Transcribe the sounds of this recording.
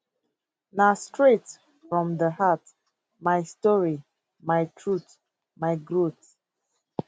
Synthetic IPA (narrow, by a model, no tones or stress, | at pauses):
nastɹet | fɹɔ̃mdəhat | majstɔɹi | majtʰɹut | majɡɹot